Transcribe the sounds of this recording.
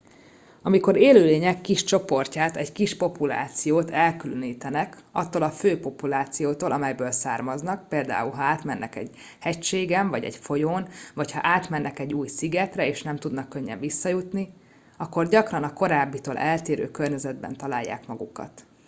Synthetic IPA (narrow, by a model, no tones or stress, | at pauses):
ɒmiko̞ɾeːløːleːɲɛkːiʃt͡ʃo̞po̞rcaːt̪ɛɟkiʃpo̞pula̰ːt̪sijoːt̪ʰɛlkyløniːt̪ɛnɛkɒt̪ːolɒføːpo̞pulaːt̪sijoːt̪oːlɒmɛjbøːlsaːrmɒznɒkpeːld̪a̰ːulɦɒaːt̪mɛnːʔɛkɛ̰ɟ | hɛcʃeːɡɛɱvɒɟɛ̰ɟfo̞joːnvɒchɒ̰ʔaːt̪mɛnːɛkɛɟːuːjsiɡɛt̪rɛeːʃnɛmt̪ud̪nɒkːø̞ɲːɛ̰ɱvisːɒjut̪ni | ɒkːo̞rɟɒkrɒnɒko̞ɾaːbːit̪oːlʔɛlt̪eːɾø̰ːkørɲɛzɛd̪̚bɛ̰nt̪ɒlaːjːa̰ːkmɒɡukɒ̰t̪